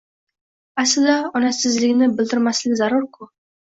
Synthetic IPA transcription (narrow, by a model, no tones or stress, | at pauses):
æsɤd̪ɑɒnɑsɘ̆zlɘ̆ɡɘ̆nɘbɘ̆ld̪ɘ̆ɾmæslɘkzɑɾuɾku